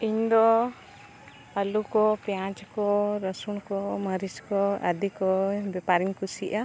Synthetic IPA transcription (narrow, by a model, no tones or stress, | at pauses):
iɲd̪ɔ | alukɔpjãt͡ʃkɔɾəsuɽ̃kɔməɾiskɔə̰d̪ikɔbɛpaɾiɲkusiʔa